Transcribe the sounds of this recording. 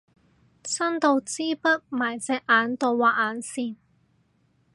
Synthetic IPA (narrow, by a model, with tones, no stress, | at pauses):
sɐ˥nt̪o˧wt͡siː˥pɐ˥t̚maː˨˩jt͡sɛː˧k̚ʔaː˨˥nt̪o˨˧wwaː˨˩ʔaː˨˥nsiː˧n